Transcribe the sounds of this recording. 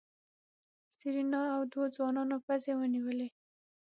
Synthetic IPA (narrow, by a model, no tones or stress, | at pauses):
siɾinɑawd̪wod͡zwɑnɑnopazewəniwəle